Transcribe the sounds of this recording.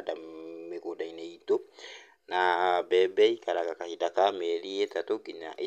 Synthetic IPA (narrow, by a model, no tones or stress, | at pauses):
dameɡodaineito | nabɛbɛikaɾakakahidakameɾiet̪at̪oɡiɲa̰ʔi